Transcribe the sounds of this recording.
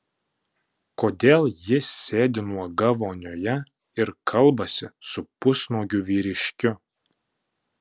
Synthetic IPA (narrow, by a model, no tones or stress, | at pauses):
koːd̪ʲeːlˠjɪsʲeːd̪ʲɪnuɔɡɐʋoːnʲoːjɛ | ɪɾkʰɐlˠbɐsʲɪsʊpʊsnoːɡʲʊʋʲiːɾʲɪʃʲkʲʊ